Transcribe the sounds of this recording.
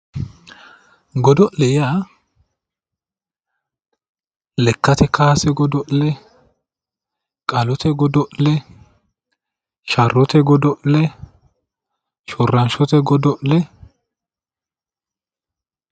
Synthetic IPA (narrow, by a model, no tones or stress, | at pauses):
ɡɔd̪ɔʔlɛjaː | lɛkːɐt̪ɛkaːsɛɡɔd̪ɔʔlɛ | kʼɐlɔt̪ʰɛɡɔd̪ɔʔlɛ | ʃɐrːɔt̪ɛɡɔd̪ɔʔlɛ | ʃɔrːɐnʃɔt̪ɛɡɔd̪ɔʔlɛ